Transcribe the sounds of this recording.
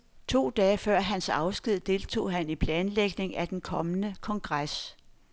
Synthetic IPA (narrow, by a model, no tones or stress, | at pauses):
t͡sʰo̝̰ːd̥ɛːfɶɐ̰ɦænsɑ̈ʊsɡ̥ið̞̰ˠd̥e̝lt͡sʰo̝̰ːɦænipʰlɛːnleɡ̥ne̝ŋæd̥enkʰɒ̽mənəkʰɒ̽ŋɡ̥ʁas